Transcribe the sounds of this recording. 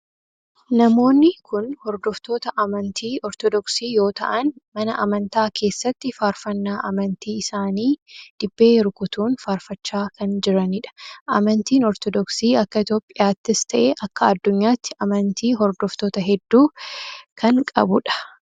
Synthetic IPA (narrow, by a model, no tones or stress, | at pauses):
nɐmo̞ːnːɪkʰʊnhɔɾd̪ɔft̪o̞ːt̪ɐʔɐmɐnt̪ʰiːʔɔɾt̪ɔd̪ɔksiːjo̞ːt̪ɐ̰ʔɐnmɐnɐʔɐmɐnt̪aːkʰe̞ːsːɐt̪ːɪfaːɾfɐnːaːʔɐmɐnt̪iːɪsaːniːd̪̥ɪbːeːɾʊkʊt̪uːnfaːɾfɐt͡ʃːaːkɐnd͡ʒɪɾɐnɪᶑɐ̥ʔɐ̰mɐnt̪iːnɔɾt̪ɔd̪ɔksiːɐkːɐɪt̪o̞ːpʼːɪjaːt̪ːɪst̪ʰɐʔɛʔɐkːɐɐd̪ːʊɲːaːt̪ːɪʔɐmɐnt̪iːɦɔɾd̪ɔft̪oːt̪ɐɦɛd̪ːuːkʰɐŋkʼɐ̰bʊᶑɐ̥